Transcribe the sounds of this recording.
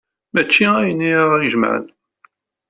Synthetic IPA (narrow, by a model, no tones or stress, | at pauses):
mæt͡ʃːiæjənːiʁjəʒmə̰ʕ̰n